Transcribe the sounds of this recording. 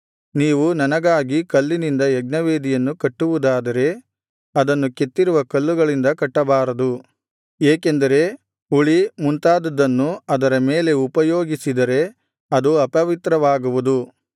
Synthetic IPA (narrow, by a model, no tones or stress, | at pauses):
niːʋunɐnɐɡaːɡikɐlːinind̪ɐɛɡnɐʋeːd̪ijɐnːukɐʈːuʋud̪aːd̪ɐɾe̞ | ɐd̪ɐnːuket̪ːiɾuʋɐkɐlːuɡɐɭind̪ɐkɐʈːɐbaːɾɐd̪u | eːkend̪ɐɾe̞ | uɭimunt̪aːd̪ɐd̪ːɐnːuɐd̪ɐɾɐme̞ːle̞upɐjoːɡisid̪ɐɾe̞ | ɐd̪uɐpɐʋit̪ɾɐʋaːɡuʋud̪u